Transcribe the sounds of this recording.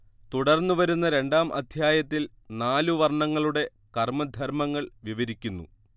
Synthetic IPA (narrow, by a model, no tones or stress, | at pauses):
t̪uɽɐrnːuʋɐɾunːɐɾe̞ɳɖaːmʔɐ̰d̪ʱjaːjɐt̪ːil | naːluʋɐrɳɐŋːɐɭuɽe̞ | kɐrmɐd̪ʱɐɾmɐŋːɐɭʋiʋɐɾikʲːunːṵ